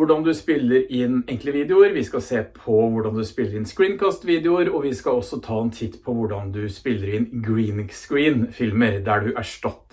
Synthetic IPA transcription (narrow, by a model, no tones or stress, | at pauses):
ʊɖɑnd̪ʉspɪlːəɾɪnɛŋkləʋiːd̪ɛʊəɾʋɪskɑseːpʰɔʋʊɖɑnd̪ʉspɪlːəɾɪnskɹiːnkʰɑːst̪ʋiːd̪ɛʊəɾɔʋɪskɑɔsɔt̪ʰɑːɛnt̪ʰɪt̪ːpʰɔʋʊɖɑnd̪ʉspɪlːəɾɪnɡɾiːnskɹiːnfɪlməɾd̪æɖʉʔæʂʈɑt̪ː